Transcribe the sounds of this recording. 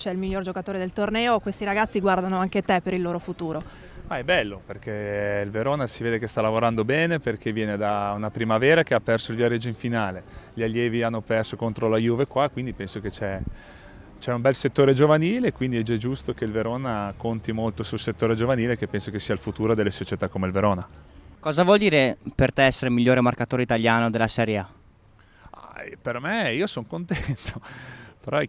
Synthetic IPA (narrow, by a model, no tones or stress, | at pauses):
t͡ʃɛilmiʎːord͡ʒokat̪oːɾed̪elt̪ornɛːokwest̪iɾaɡat̪sːiɡward̪anoaŋket̪ɛpeɾilːoːɾofut̪uːɾo | maɛbɛlːoperkeilveɾoːnasiveːd̪ekest̪alavoɾand̪obɛːneperk̟ʰevjɛːned̪aunapɾimavɛːɾakeapːɛrsoilvjaɾed͡ʒːoĩɱfinaːleʎialːjɛːvianːopɛrsokont̪ɾolajuvekwakːwind̪ipɛnsoket͡ʃɛ | t͡ʃɛumbɛlset̪ːoːɾed͡ʒovaniːlekwind̪iɛd͡ʒɛd͡ʒust̪okeilveɾoːnakont̪imolt̪osulset̪ːoːɾed͡ʒovaniːlekepːɛnsokesiːalfut̪uːɾod̪elːesot͡ʃet̪akːomeilveɾoːnakɔːzavwɔld̪iːɾepert̪ɛɛsːeɾemiʎːoːɾemarkat̪oːɾeit̪aʎjaːnod̪elːasɛɾjea | a̰permeiːosoŋkont̪ɛnt̪ʰopeɾɔ